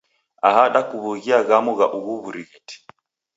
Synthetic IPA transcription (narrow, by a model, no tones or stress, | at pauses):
ahaɗakuβuɣiaɣamɔɣaʔuɣuβuɾiɣɛti̥